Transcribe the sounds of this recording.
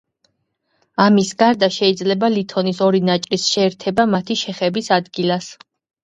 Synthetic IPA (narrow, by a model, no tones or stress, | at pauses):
amisɡaɾd̪aʃɛid̪zlɛbalit̪ʰɔnisɔɾinat͡ʃʼɾisʃɛːɾt̪ʰɛbamat̪ʰiʃɛχɛbisad̪ɡilas